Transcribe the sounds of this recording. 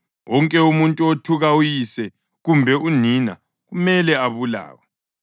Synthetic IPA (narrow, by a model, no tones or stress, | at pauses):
wɔŋkʼɛumuntʼuotʰuɣaujisɛ | ɣumbʱɛunina̰ | ɣumɛlɛaβula̰ːwa